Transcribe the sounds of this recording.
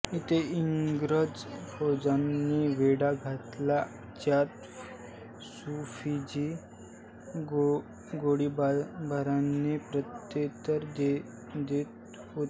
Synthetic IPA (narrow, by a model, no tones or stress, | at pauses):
it̪ʰeiŋɡɾəd͡zbʰod͡zanːiʋeɽaɡʱat̪la | t͡ɕjat̪ | sufid͡ʑi | ɡoɽibbaɾanːepɾət̪jet̪əɾd̪e | d̪et̪ | ɦo